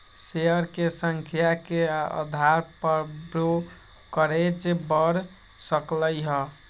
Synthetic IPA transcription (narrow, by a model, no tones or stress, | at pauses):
seəɾkesəŋkʰjakeaə̰d̪ʱaɾpəbɾo | kəɾed͡ʒebəɽ | səkləjɦə